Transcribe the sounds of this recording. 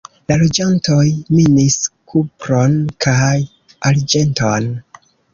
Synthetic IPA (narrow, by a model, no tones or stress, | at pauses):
lalo̞d͡ʒanto̞jminiskʰupɾo̞nkʰaj | ʔaɾd͡ʒe̞nto̞n